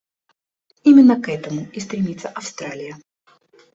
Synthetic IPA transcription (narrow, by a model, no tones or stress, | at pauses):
imʲɪnːəkɛt̪əmʊist̪ɾʲɪmʲit̪səʔɐfst̪ɾalʲɪjə